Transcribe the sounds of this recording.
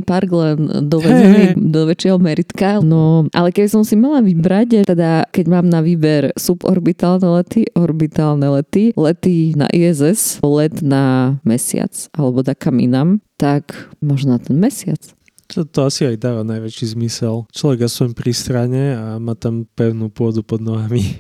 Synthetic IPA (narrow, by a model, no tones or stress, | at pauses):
paɾɡlɛnd̪ɔɛɛnid̪ɔʋɛt͡ʃɪjɛɦɔmɛɾit̪kanɔʔa̰lɛkɛbisɔmsimalaʋibɾact̪ɛd̪akɛɟmaːmnaʋiːbɛɾsupɔ̰ɾbit̪aːlnɛlɛt̪iɔɾbit̪aːlnɛlɛt̪ilɛt̪ina̰ʔiɛzɛslɛd̪namɛsɪa̰t͡salɛbɔd̪akamḭnamt̪akmɔʒnɔnat̪ɛnmɛsɪa̰t͡s | t̪ɔt̪ɔasiajd̪aːʋanajʋɛt͡ʃizmisɛlt͡ʃlɔʋɛɡjasɔjmpɾist̪ɾaɲɛamaːt̪ampɛʊnuːpʊɔd̪upɔd̪nɔɦami